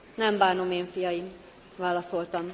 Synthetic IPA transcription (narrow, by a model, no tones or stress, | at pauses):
nɛmbaːno̞meːɱfijɒjim | vaːlɒso̞lt̪ɒm